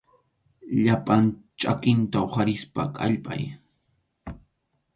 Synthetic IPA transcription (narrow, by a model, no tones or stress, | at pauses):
ʎapant͡ʃʼakɪnt̪aoχaɾɪspa̰kʼaʎpʼa̰j